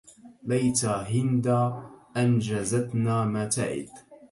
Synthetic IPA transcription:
bajt̪aːɦɪnd̪aːʔand͡ʒazat̪naːmaːt̪a̰ʕɪ̰d̪

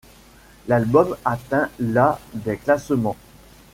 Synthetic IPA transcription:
lalbɔmat̪ɛ̃lad̪eklasmɑ̃

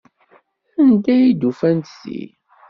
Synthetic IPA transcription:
ənd̪æjid̪ufænt̪sḭ

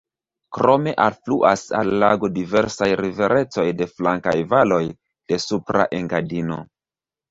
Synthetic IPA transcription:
kɾo̞me̞ʔalfluʔasa̰lːaɡo̞dive̞ɾsajɾive̞ɾe̞t͡so̞jde̞flaŋka̰jvalo̞j | d̥e̞supɾa̰ʔeŋɡadino̞̰

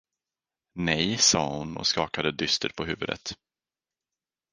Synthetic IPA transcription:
nɛjsɑ̰ːhʊnɔ̰skɑːkad̪əd̪ʏst̪əɾpʰɔɦʉ̟ːvɵd̪ə̰t̪

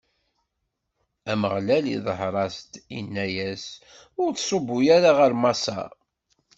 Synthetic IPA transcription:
æməʁlælḭðˤəɦɾˤɑst̪inːæjæs | ʊɾθsˤobːʊjæɾaʁəɾmɑsˤɑ̰

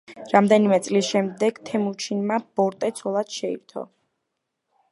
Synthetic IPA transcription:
ɾamd̪ɛnimɛt̪sʼlisʃɛmd̪ɛɡ̥t̪ʰɛmut͡ʃʰinmab̥ɔɾt̪ʼɛt̪sʰɔlˠad̪̥ʃɛḭɾt̪ʰɔ̰

